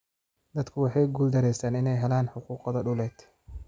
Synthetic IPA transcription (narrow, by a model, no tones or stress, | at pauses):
d̪̥ɐd̪kʰʊwɑħɑjɡʊld̪ɐɾɛjst̪ʰaːnɪnɛjɦɛlaːnħʊquːqɔðɐɖʊlɛːd̪